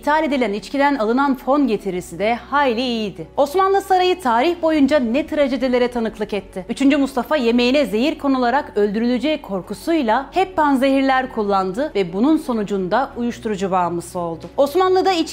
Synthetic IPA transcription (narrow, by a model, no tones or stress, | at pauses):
it̪ʰalʲe̞d̪ilʲænit͡ʃcʰid̪ænalˠɯnanfo̞nɟe̞t̪ʰiɾisid̪ɛhajlʲiijid̪ɪo̞smanlˠɯsaɾajɯt̪ʰaːɾiçbo̞jund͡ʒanɛt̪ʰɾaʒed̪elʲe̞ɾɛt̪ʰanɯklˠɯkɛt̪ʰːɪyt͡ʃʰynd͡ʒymust̪ʰafaje̞me̞jinɛze̞jiɾkʰo̞nulˠaɾakø̞lʲd̪yɾylʲyd͡ʒɛkʰo̞ɾkusujlˠahɛpːanze̞ɦiɾlʲæɾkʰulˠːand̪ɯvɛbununso̞nud͡ʒund̪aujuʃt̪ʰuɾud͡ʒubaːmɯsɯo̞lˠd̪ʊo̞smanlˠɯd̪ait͡ʃ